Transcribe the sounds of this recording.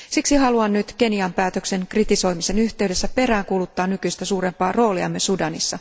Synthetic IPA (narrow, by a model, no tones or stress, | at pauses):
siksiɦɑluɑnnyt̪ke̞niɑmpæːt̪økse̞ŋkrit̪iso̞jmise̞nyht̪e̞yde̞sːæpe̞ræːŋkulut̪ːɑːnnykyist̪æsuːre̞mpɑːro̞ːliɑ̰mːesudɑnisːɑ